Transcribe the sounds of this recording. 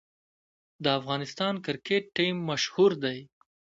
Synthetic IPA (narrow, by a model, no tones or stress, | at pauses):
d̪əafɣɑnɪst̪ɑnkɪɾkeʈːimːaʃhuɾd̪aj